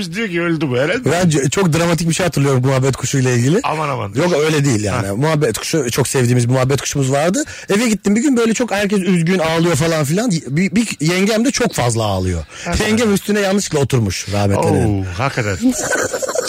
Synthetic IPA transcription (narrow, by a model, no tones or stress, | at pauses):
iʃd̪ijociølʲd̪ybuɛɾabænd͡ʒɛt͡ʃʰo̞k̚d̪ɾamat̪̬ʰic̚biʃejat̪ʰɯɾlˠɯjomuɦabːɛt̪kʰuʃujlˠailʲɟilʲɪa̰manama̰njo̞kø̞jlʲɛd̪ejilʲja̰ːnimuɦabːɛt̪kʰu̥ʃut͡ʃʰo̞ksɛvd̪iːmizmuɦabːɛt̪̚kʰu̥ʃumuzvaɾd̪ɯ | evɛɟit̪ːimbiɟynbø̞jlʲɛt͡ʃʰo̞khæɾcʰɛs̬yzɟynaːlˠɯjo̞falˠanf̬ilʲanjbibijɛɲɟæmd̪ɛt͡ʃʰo̞kfazlˠaa̰ːlˠɯjo̞̰ | jɛɲɟæmyst̪ʰynɛjannːɯʃklˠao̞t̪ʰuɾmuʃɾa̰ːhmɛtlʲehakʰad̪aɾ